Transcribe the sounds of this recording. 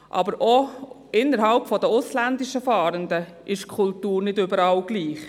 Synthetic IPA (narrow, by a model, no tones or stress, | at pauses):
ʔɑ̰bəɾʔɔ | ʔɪnːəɾɦɑlpfɔd̪əʊslænd̪ɪʃəfɑːɾənd̪ə | ʔɪʃkʰʊltuːɾnɪdøbəɾɑlɡ̥liːχ